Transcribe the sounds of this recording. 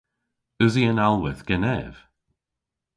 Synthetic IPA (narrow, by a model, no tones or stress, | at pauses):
əziənalˠwɪðɡ̥ɛnɛv̥